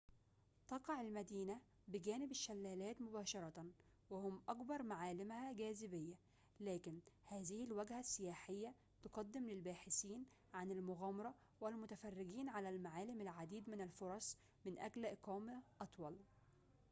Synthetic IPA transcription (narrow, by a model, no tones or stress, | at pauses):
t̪ɑqɑʕalmæd̪iːnæ | bɪɡæːnɪbɪʃːælːæːlæːt̪mʊbæːʃɑɾˤɑt̪ | wɪhʊmʔɑkbɑɾˤmaʕaːlɪmhæɡæːzɪbɪjːæ | læːkɪnhæːzɪhɪlwæɡhæsːɪjaːħɪjːæ | t̪ʊqɑd̪ːɪmlɪlbaːħɪsiːn | ʕanɪlmʊɣæːmɑɾˤɑ | wɪlmʊt̪æfærːɪɡiːnʕalælmaʕaːlɪmɪlʕad̪iːd̪mɪnælfoɾˤɑsˤ | mɪnʔæɡlʔɪqɑːmʔɑt̪ˤwɑl